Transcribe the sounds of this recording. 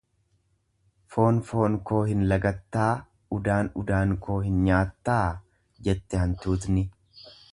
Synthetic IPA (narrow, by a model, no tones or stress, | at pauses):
fo̞ːnfo̞ːŋko̞ːhɪnlɐɡɐt̪ːaː | ʊd̪aːnʊd̪aːŋkʰo̞ːhɪnɲaːt̪ːaː | d͡ʒɛt̪ːɛhɐnt̪uːt̪̬nɪ